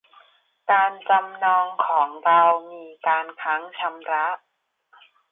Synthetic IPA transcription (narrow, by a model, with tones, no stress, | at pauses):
kaː˧nt͡ɕa˧mnɔː˧ŋkʰɔː˩˦ŋɾa˧wmiː˧kaː˧nkʰa˦˥ŋt͡ɕʰa˧mɾa˦˥ʔ